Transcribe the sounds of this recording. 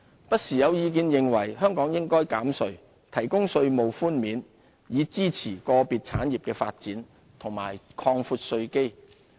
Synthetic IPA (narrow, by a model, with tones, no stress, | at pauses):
pɐ˥t̚siː˨˩jɐ˨˧wjiː˨˧k̬iː˧njɪ˨ŋwɐ˨˩jɦœː˥ŋkɔː˨˥ŋjɪ˥ŋkɔː˥jkaː˨˥msɵ˧ɥ | t̪ʰɐ˨˩jkʊ˥ŋsɵ˧ɥmo˨wfuː˥nmiː˨˥n | jiː˨˧t͡siː˥t͡sʰiː˨˩kɔː˧piː˨t̚t͡sʰa̰ː˨˥njiː˨p̚kɛː˧fa̰ː˧t̚t͡siː˨˥n | t̪ʰʊ˨˩ŋma̰ː˨˩jkʰɔː˧ŋfuː˧t̚sɵ˧ɥke˥j